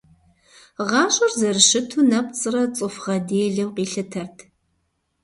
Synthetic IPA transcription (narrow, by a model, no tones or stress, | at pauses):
ʁɑːɕʼʊrzɐrɨʃɨtʰunɐp̚t͡sʼɨrɐt͡sʼɨfʁɐdeːɮɐwqiːɬɨtʰɐrtʰ